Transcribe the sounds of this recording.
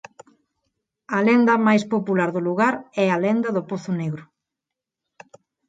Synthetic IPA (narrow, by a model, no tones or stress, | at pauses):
ɐlend̪ɐmajspopulaɾðoluɣaɾɛɐlend̪ɐðopoθʊneɣɾʊ